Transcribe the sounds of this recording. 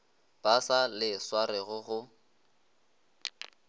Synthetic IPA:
b̥asalɪswaɾɪɣʊɣʊ

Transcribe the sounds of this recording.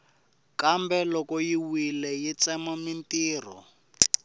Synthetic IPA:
kambɛlɔkɔjiwilɛjit͡sɛmamintiːrɔ̰

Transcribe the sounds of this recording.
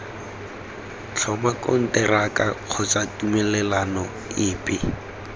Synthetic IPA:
t͡ɬʰɔmakʼʊ̰n̩tɛrakʼak͡xʰʊt͡satʼumɛlɛlanɔ | ɪːpʼɪ

